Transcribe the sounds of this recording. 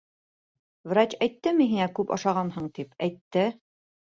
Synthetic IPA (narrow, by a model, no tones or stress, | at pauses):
vrat͡ɕæjt̪ːɘmɘɦinækʉpɑ̰ʃɑʁɑnhɤɴt̪ipæjt̪ːɘ